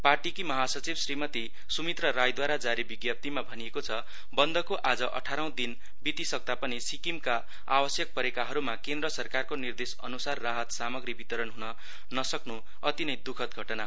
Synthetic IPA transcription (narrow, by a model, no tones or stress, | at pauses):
parʈikimʌɦasʌt͡sibsrimʌt̪i | sumit̪rʌɾajd̪waɾad͡zaɾibiɡjʌp̚t̪imabʱʌniekot͡sʰʌ | bʌnd̪ʌkoʔad͡zʌʔʌ̰ʈʰaɾaw̃d̪in | bit̪isʌk̚t̪apʌnisikimka | a̰wʌsjʌk̚pʌɾekaɦʌɾumakend̪ɾʌsʌrkarkonird̪esʌ̰nusarːaɦʌt̪samʌɡribit̪ʌɾʌnɦunʌ | nʌsʌknu | ʌt̪inʌjd̪ukʰʌt̪ɡʱʌʈʌnaɦ